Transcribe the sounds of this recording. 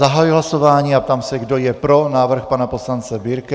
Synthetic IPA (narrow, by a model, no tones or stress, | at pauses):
aɦaːjiɦlasɔʋaːɲiap̚t̪amsɛɡd̪ɔjɛpɾɔnaːʋr̩xpaːnapɔslant͡sɛbiːɾkɛ